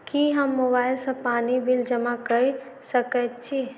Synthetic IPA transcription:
kiɦəmːobaːɪlsə̃paːnibʱild͡ʒəmakəisəkət̪̚t͡ʃʰi

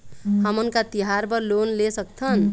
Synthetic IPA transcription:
ɦəmənkat̪iɦaɾbəɾlonlesək̚t̪ʰən

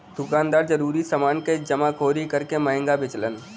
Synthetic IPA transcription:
d̪̥ʱʊkaːnd̪aːɾd͡ʒəɾuːɾisəmaːnked͡ʒəmakʰoːɾikəɾkeməɦɪ̃ŋɡabɪt͡ʃlən

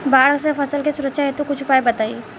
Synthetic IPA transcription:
baːɽksefɐsəlkesʊɾəkʃaɦet̪okʊt͡ʃʰʊpaːebɐt̪aːi

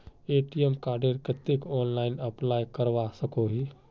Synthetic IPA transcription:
eːʈiemkaːɾɖeɾkət̪ekɔːnlaɪnəplaːjkəɾʋasəkoɦi

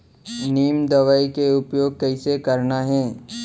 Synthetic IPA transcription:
niːmd̪ɐʋaikeʊpjoːɡ̚kɛɪsekəɾnaɦɛː

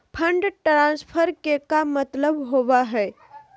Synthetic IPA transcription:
pʰə̃ɳɖʈɾãːspʰəɾkekamət̪ləbɦoʋaɦɛː

